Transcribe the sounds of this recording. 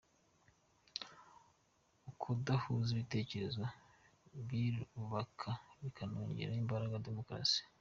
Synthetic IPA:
ukʰudahuziβite̞ːce̞ɾe̞zwa | βjiɾuuβakʰaβikʰano̰ːɲɟe̞̰ɾaimbaɾaɡade̞mo̞kɾa̰si̥

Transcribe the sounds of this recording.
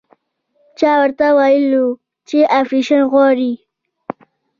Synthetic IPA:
t͡ʃɑwəɾt̪awajəlu | t͡ʃeʔafɾiʃənɣwɑɾi

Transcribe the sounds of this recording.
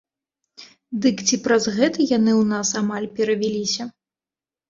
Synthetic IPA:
d̪ɨkt͡sʲipɾɐzɣɛt̪ɐjanɨwnasamalʲpʲɛɾɐvʲilʲisʲɐ

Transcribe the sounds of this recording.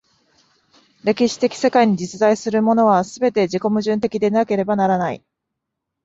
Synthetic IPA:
ɾe̞kʲiɕi̥t̪e̞kʲi̥se̞kaiɲ̟id͡ʑit͡sɨd̪aisɨɾɯ̟mo̞no̞β̞asɨbe̞t̪e̞ʑiko̞mɯ̟ʑɨ̃nt̪e̞kʲid̪e̞nake̞ɾe̞banaɾanaḭ

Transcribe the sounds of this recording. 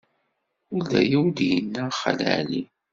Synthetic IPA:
ʊld̪æ̰jiwd̪jənːæχə̰læ̰ʕli

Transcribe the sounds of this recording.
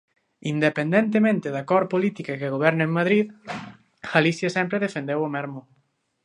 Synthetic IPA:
ind̪epend̪ent̪̬emẽnt̪ɪðakɔɾpolit̪ikakeɣoβɛɾneŋmaðɾið | ɣalisjɐsɛmpɾɪðefend̪ewamɛɾmʊ

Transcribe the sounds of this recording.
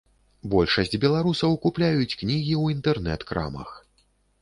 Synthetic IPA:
bɔlʲʂɐsʲd͡zʲbʲɛlˠaɾusɐwkuplʲajut͡sʲknʲiɣʲiwint̪ɛrnɛt̪kɾa̰mɐ̰x

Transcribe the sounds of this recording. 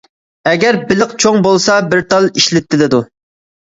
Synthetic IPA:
ɛɡʲɛɾbɪlɪqt͡ʃʰoŋbolˠsɑbɪɾt̪ʰɑlˠiʃlɪt̪ʰːɪlɪd̪u

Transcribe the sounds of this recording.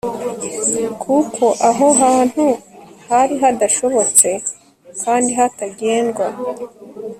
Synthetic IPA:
kʰukʰo̞ʔaɦo̞ɦaːn̥huhaɾiɦadaʃo̞βo̞t͡se̞ | kʰaːndiɦataɟe̞ːnɡwa

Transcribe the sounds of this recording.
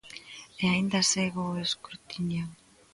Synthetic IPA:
eajnd̪aseɣoeskɾut̪iɲaw

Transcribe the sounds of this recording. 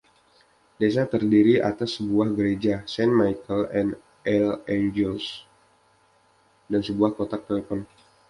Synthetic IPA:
des̬at̪ərdiɾia̰t̪asːəbuahɡəɾed͡ʒasɛnmajkəlɛn | ɛlɛnd͡ʒɛls | dansəbuahkot̪ak̚t̪elefɔn

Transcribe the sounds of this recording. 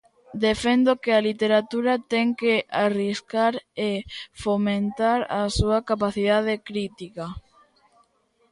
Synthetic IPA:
d̪efend̪okealit̪eɾat̪uɾat̪ɛŋkeariskaɾefomẽnt̪aɾa̰suɐkapaθiðað̞ekɾit̪ika

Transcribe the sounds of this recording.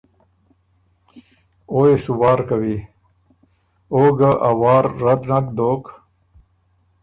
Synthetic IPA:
oesuwɑːɾkawi | oːɡaʔawɑːɾːad̪nakd̪oːk

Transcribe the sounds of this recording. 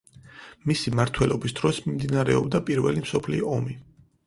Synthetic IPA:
misimaɾt̪ʰwɛlɔbisd̪̥ɾɔsmimd̪inaɾɛɔbd̪apʼiɾvɛlimsɔpʰliɔɔmi

